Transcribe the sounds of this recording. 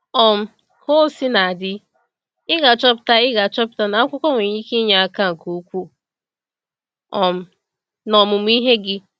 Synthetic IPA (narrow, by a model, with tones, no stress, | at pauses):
ɔ˨m̩˦ | ko˦si˦na˨a˨dɪ˦ | ɪ˦ɡa˨t͡ʃɔ˦pɪ̥˦ta˦ɪ˦ɡa˨t͡ʃɔ˦pɪ̥˨ta˦na˨a˦kʷʊ˦kɔ˦ŋʷe˨ɲi˦ki˦ɲa˨a˨ka˦ŋ̩˨ko˨˦kʷu˦˨ | ɔ˨m̩˨ | nɔ˨mʊ˨m̩˦i˦ɦe˦ɡɪ˦